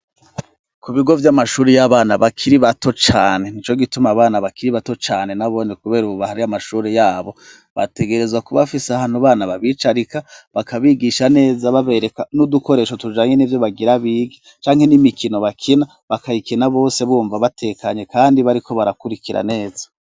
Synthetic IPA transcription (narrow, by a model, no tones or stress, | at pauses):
kuβiɡo̞vjamaʃuːɾejaβaːnaβakʰiɾiβato̞t͡ʃaːne̞nit͡ʃo̞ɡitumaβaːnaβakiɾiβato̞t͡ʃaːne̞naβo̞nikuβe̞ːɾuβuβahaɾiamaʃuːɾejaːβo̞ | βa̰te̞ɡe̞ɾe̞zwakuβafiseahaːn̥huβaːnaβaβit͡ʃaɾikaβakaβiːɡiʃane̞ːzaβaβe̞ɾe̞kanuduko̞ɾeːʃo̞tud͡ʒaːɲenivjo̞βaɡiɾaβiːɡi | t͡ʃaːŋhe̞nimikino̞βakʰina | βakaikinaβo̞ːse̞βuːɱvaβatʰe̞ːkʰaɲe̞kaːndiβaɾiko̞βaɾakuɾikiɾa̰ne̞ːzḁ